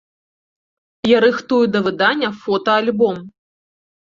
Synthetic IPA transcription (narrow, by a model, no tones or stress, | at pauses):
jɐɾɨxt̪ujud̪ɐvɨd̪anʲːɐfɔt̪ɐalʲbɔm